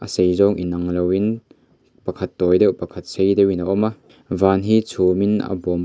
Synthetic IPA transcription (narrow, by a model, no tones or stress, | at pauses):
ʔɐsejzɔŋʔinɐŋlɐwin | pɐkʰɐt̪ːɔːjdɛwpɐkʰɐt̪̚sejdɛwinaʔɔma | vaːnɦit͡sʰuminɐ̰bum